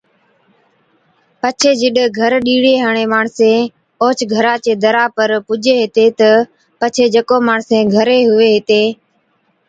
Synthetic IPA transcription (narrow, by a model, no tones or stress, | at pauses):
pət͡ʃʰeːd͡ʒɪɗɡʱəɾɗiːɽeːɦaːɳeːmaːɳsẽː | oːt͡ʃʰɡʱəɾaːt͡ʃeːd̪əɾaːpəɾpʊd͡ʒeːɦɪt̪eːt̪ə | pət͡ʃʰeːd͡ʒəkoːmaːɳsẽːɡʱəɾeːɦʊʋeːɦɪt̪eː